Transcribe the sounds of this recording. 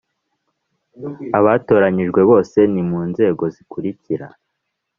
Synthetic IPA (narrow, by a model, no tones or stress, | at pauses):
aβato̞ːɾaɲiʒɡwe̞βo̞ːse̞nimuːnze̞ːɡo̞zikuɾiciɾa